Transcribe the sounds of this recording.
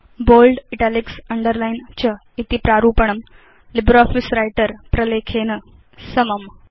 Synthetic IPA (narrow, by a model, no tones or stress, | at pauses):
bolɖiʈaliksəɳɖəɾlaint͡ɕə | it̪ipɾaɾuːpəɳ̃əm | libɾɔfisɾajʈəɾpɾəlekʰenə | səməm